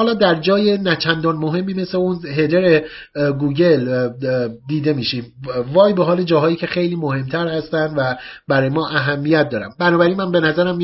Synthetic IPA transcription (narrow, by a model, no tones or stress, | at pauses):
hɒːlɒːd̪æɾd͡ʒɒːjenæt͡ʃʰænd̪ɒnmoɦe̞mːiːme̞se̞unɦe̞d̪e̞ɾe | ɡuːɟe̞l | d̪iːd̪e̞miːʃiːmvɒːjbe̞ɦɒːled͡ʒɒːɦɒːjiːcʰe̞xe̞jliːmoɦe̞mt̪ʰæɾhæst̪ænd̪væbæɾɒːjemɒːʔæɦæmːijæt̪̚d̪ɒːɾæ̰mbænɒːbæɾinmænbe̞næzæɾæmːi